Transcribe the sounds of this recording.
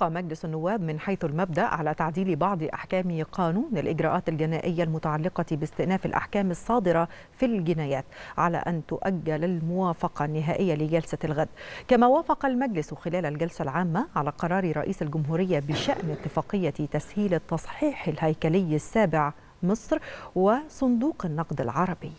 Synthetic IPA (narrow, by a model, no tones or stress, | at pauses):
qɑmæɡlɪsanːʊwːæːbmɪnħajθʊlmæb̚d̪aʔʕalæːt̪aʕd̪iːlbɑʕd̪ˤʔa̰ħkæːmɪqʰɑːnuːnɪlʔɪɡɾˤɑːʔaːt̪alɡɪnaːʔɪjːalmʊt̪aʕalːɪqɑt̪ibɪst̪ɪʔnæːfɪlʔa̰ħkæːmɨsˤːɑːd̪ɨɾˤɑ | filɡɪnæːjæːt̪ʕalæ̰ːʔæ̰nt̪ʊʔæɡːælalmʊwaːfɑqɑnːɪɦaːʔɪjːalɪɡælsalɣæd̪ːkæmæːwaːfɑqɑlmæɡlɪswɪxɪlæːlalɡælsalʕaːmːaʕalæːqɑɾˤɑːɾiɾˤɑ̰ʔiːsalɡʊmɦuːɾɪjːabɪʃaʔnɪt̪ːɪfɑːqɪjːat̪æshiːlt̪ːɑsˤħiːħɪlhæjkælɪjːɪsːaːbɪʕ | mɨsˤɾwɪsˤʊnd̪uːqɪnːɑqd̪ɪ̰lʕɑɾˤɑbɪjː